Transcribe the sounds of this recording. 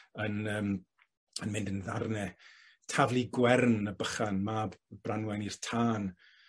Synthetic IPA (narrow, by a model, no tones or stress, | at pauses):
ənəːm | ənmɪndənðarnɛ | tʰavlˠiɡwɛrnəbəχanmabb̥ranwɛnir̥tʰaːn